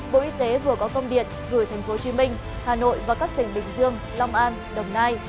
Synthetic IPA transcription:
ɓo̰˧˨ʔi˧t̪e˨˦vɨ˨˩əkɔ˨˦kə˧wŋ͡mɗḭ˨˩ət̚ɣɨ˧˩jt̪ʰɛ˨˩jŋ̟fo˨˦t͡ɕi˨˦mï˧ŋ̟ | haː˨˩no̰˧˨jvaː˨˩kaː˦˥k̚t̪ï˨˩ŋ̟ɓï˨˩ŋ̟zɨ˧əŋ | lɔ˧wŋ͡mʔaː˧n | ɗə˨˩wŋ͡mnaː˧j

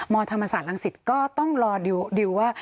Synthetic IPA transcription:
mɔː˧t̪ʰa˧mːa˧saː˨˩t̪̚ʔa˧ŋsi˨˩t̪̚kɔː˥˩t̪ɔ˥˩ŋɾɔː˧di˧wwaː˥˩

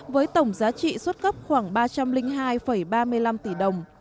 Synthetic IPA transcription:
vəː˨˦jt̪ə˧˩wŋ͡mzaː˨˦t͡ɕḭ˧˨swə˦˥t̚kə˦˥p̚xwaː˧˩ŋɓaː˧t͡ɕa˧mlï˧ŋ̟ɦaː˧jfə˧˩jɓaː˧mɨ˧əjla˧mt̪i˧˩ɗə˨˩wŋ͡m

